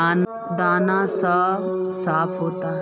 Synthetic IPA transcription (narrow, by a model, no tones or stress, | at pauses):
d̪anasasapʰɦot̪a